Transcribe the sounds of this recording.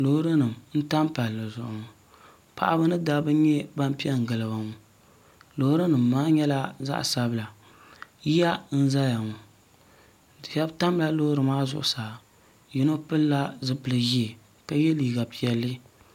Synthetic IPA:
lo˨hɾɨ˦nɨ˨m˨n̩˦ta˦m˦pa˨lːɨ˨zʊ˨ʔʊ̰˨ŋ˨ | pa̰˨ʔa˦bɨ˦nɨ˦da˦bɨ˦ɲɛ˦ba˦m˦pi˦ɛ˦ŋ̩˨ɡɨ˨lɨ˨ba˨ŋu˦ | lo˨hʊ˦ɾɨ˦nɨ˨mː˨aː˦ɲɛ˦la˦za̰˦ʔsa˦bɨ˦la˨ | ji˦ja˦n̩˦za˦ja˨ŋu˨ | jɛ˦bta˦m˦la˦lo˦hʊ˦ɾɨ˨maː˦zʊ̰˨ʔʊ˨saː˨ | ji˨no˦pɨ˦lːa˦zɨ˦pɨ˨lɨ˦ji˦e˨ | ka˦jɛ˦liː˨ɡa˨pi˨ɛ˨lːɨ˦

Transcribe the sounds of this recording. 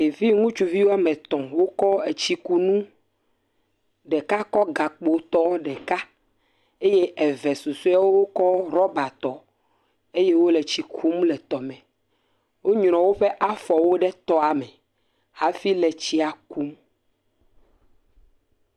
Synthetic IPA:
e˨vi˦ŋũ˦t͡ʃu˨vi˦wo˦a˦mɛ̃˨t̪ɔ̃˨wo˦kɔ˦e˨t͡ɕi˦ku˨nũ˦ | ɖɛ˨ka˦kɔ˦ɡa˨k͡po˨t̪ɔ˦ɖɛ˨ka˦ | e˦je˦ʔɛ˨vɛ˨su˨so˦a˦wo˦wo˦kɔ˦ɾɔ˦ba˨t̪ɔ˨ | e˦je˦wo˦lɛ˨t͡ɕi˦kʰu˦m˦lɛ˨t̪ɔ˨mɛ̃˨ | wo˦ɲɾ̃ɔ̃˨wo˦ɸɛ˦ʔa˦fɔ˨wo˦ɖɛ˦t̪ɔ˦a˨mɛ˨ | ha˦fi˦lɛ˨t͡ɕi˦a˨ku˦m

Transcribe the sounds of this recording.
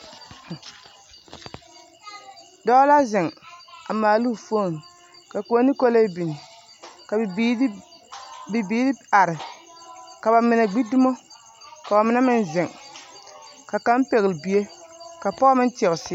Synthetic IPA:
dɔ˦la˦zɪ˨ŋa˨maː˨lu˦˨fo˦˨ŋ˨ | ka˨ko˨˦a˦ni˦ko˦le˦bi˨nɪ˨ | ka˨˦ | bi˨biː˦lɪ˦a˨ɾɪ˨ | ka˨ba˨mɪ˨na˨ɡ͡bi˦dɪ˦mo˦ | ka˨ba˨mɪ˨˦na˦mɪ˦n˦zɪ˨ŋ | ka˨ka˦m˦pe˨ɣɪ˨lbi˨e˦ka˨pɔ˦mɪ˦n˦tɪ˨ɣʊ˨sɪ˦

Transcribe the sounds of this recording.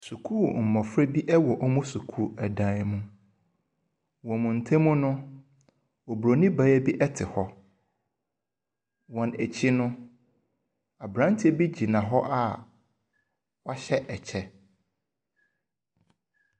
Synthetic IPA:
su˨kʰu˦˨m̩˨mɔ̃˨fɾɛ˦bi˦ʔɛ˦wɔ˨ʔɔ˦mʊ̃˦su˨kʰu˦˨ɛ˨dã˨˦˨mũ˦ | wɔ̃˨mʊ̃˨n̩˨tʰẽ˦mʊ̃˦nʊ̃˦ | ɔ˨bɾo˨nĩ˦ba˨˦ɛ˦bi˦ʔɛ˦tʰɪ˨hɔ˦ | wɔ̃˨næ˨t͡ɕʰi˦nʊ̃˦ | a˨bɾã˦n˦tʰi˦ɛ˦bi˦d͡ʑi˨nã˨ɦɔ˦ʔa˦ | wa˦ɕɛ˦ʔɛ˨t͡ɕʰɛ˦

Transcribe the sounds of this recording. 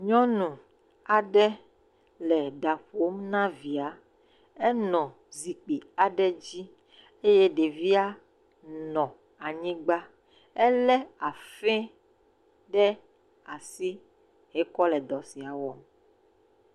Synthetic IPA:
ɲɔ̃˦nũ˨ | a˨ɖɛ˦ | lɛ˨ɖa˨ɸo˦mnã˦vi˨a˨ | ɛ˦nɔ̃˨ | zi˨k͡pi˨a˨ɖɛ˦d͡ʑi˦ | e˦jɛ˦ɖe˨vi˦a˦ | nɔ̃˨ | a˨ɲĩ˦ɡ͡ba˦ | ɛ˦lɛ˦a˨fɛ̃˦ | ɖɛ˦ | a˨si˦ | ɦɛ˨˦kɔ˦lɛ˨d̪ɔ˨si˨a˨wɔ˦m

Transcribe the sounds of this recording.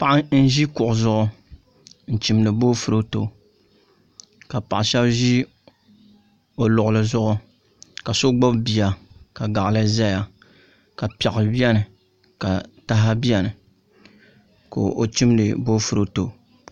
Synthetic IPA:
pa˦ʔa˦n̩˦ʒi˦kʊ˨ʔʊ˨zʊ˦ʔʊ˦ | n̩˨t͡ʃi˨mdɨ˨bo˦fu˨ɾo˦to˨ | ka˨pa˨ʔʃɛ˦bʒi˦ | o˨lʊ˨ʔʊ˨lɨ˨zʊ˦ʔʊ˦ | ka˨so˦ɡ͡bo˦bbi˨ja˨ka˨ɡa˨ʔlɨ˦za˦ja˨ | ka˨pɛ˨ɣʊ˨bi˦ɛ˦nɨ˨ | ka˨ta˦ɦa˦bi˦ɛ˦nɨ˨ | ko̰˨ʔo˨t͡ʃi˦mdɨ˨bo˦fu˨ɾo˨to˨

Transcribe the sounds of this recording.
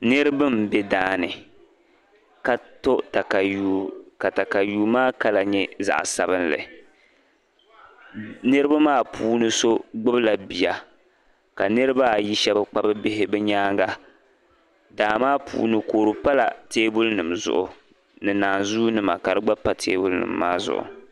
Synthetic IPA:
nɨ˦ɾɨ˦bɨ˦mbɛ˦daː˦nɨ˨ | ka˨to˦ta˨ka˨jka˨ta˨ka˨juː˨maː˦ka˦la˨ɲɛ˦za̰˨ʔsa˨bɨ˦nlɨ̰˨ | nɨ˦ɾɨ˦ba˦maː˦puː˦nɨ˦so˦ɡ͡bɨ˦bla˨bi˨ja˨ | ka˨nɨ˦ɾɨ˦ba˦˨ji˦ʃɛ˦ba˦k͡pa˦bɨ˦bɪ˦ɦɪ˦bɛ˦ɲaː˦ŋɡa˦ | daː˨maː˦pʰṵː˨˦nɨ˦koː˨ɾɨ˨pa˦la̰˨teː˦bʊ˦lnɨ˨mzʊ̰˨ʔʊ˨ | nɨ˨naː˨nzuː˦nɨ˦ma̰˨ka˨ɾɨ˦ɡ͡ba˦pa˦tʰeː˦bʊ˦lnɨ̰˨mːa̰ː˦zʊ̰˦ʔʊ̰˨

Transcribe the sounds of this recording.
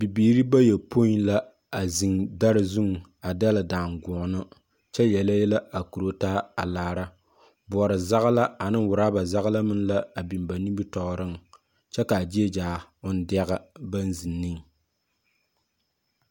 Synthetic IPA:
bi˨biː˨˦ɾi˦ba˦jɛ˨pʰo˦i˦n˦la˦ | a˨zi˨ŋda˦ɾɨ˦zu˦ŋ˨ | a˨da˦la˨daː˨ŋɡʊ˨nɨ˦ | t͡ʃɛ˦jɛ˨la˦jɛ˦la˦a˨ku˨ɾo˦taː˦a˨laː˨ɾa˦ | bɔ˨ɾɨ˨za˦ɣla˦a˨nɨ˦ŋwʊ˨ɾaː˦ba˨za˦ɣla˦mɨ˦nla˦a˨bi˨mba˨ni˦bi˦tɔ˨ɣɾɨ˦ŋ | t͡ʃɛ˦ka˨d͡ʒi˦e˦d͡ʒaː˨ʊ˦n˦dɛ˦ɣɨ˦ba˦n˦zi˨nːi˦ŋ

